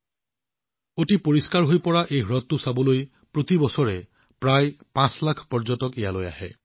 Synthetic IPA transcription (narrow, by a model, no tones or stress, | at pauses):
oʈipoɹiskaɹɦojpɔɹaʔejɦɹɔt̪ːusabɔloj | pɹot̪ibɔsɔɹe | pɹajpãslakʰpɔɹd͡ʒɔtɔkejaloja̰ɦe